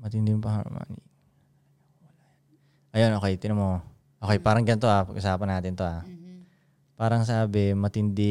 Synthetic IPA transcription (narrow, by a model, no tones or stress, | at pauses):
mɐt̪ɪnd̪impɐha̰ɾ̰mʔa̰ːnɪ | wla | ʔɐjonʔoːkɛjt̪ɪnomo | ʔokɛjpaːɾɐŋɡɐnt̪oʔapɐɡʔʊsaːpɐnːaːt̪ɪnt̪oʔa | paːɾɐŋs̬aːbɪmɐt̪ɪnd̪ɪ